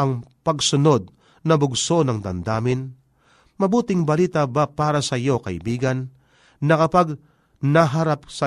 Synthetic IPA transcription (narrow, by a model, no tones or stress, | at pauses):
ʔɐŋpɐɡsʊno̞d̪̚ | nɐbʊɡso̞nɐŋd̪ɐnd̪aːmɪn | mɐbuːt̪ɪŋbɐliːt̪abapaːɾɐsɐjo̞kɐ̰ʔɪ̰biːɡɐnː | ɐkɐpaɡ | nɐɦɐɾap̚sɐ